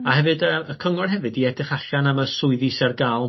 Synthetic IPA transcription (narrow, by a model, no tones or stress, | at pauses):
ahɛvɨdəəkʰəŋɔrɦɛvɨdiɛdɪχaɬanaməsʊɨðisɛrɡalˠ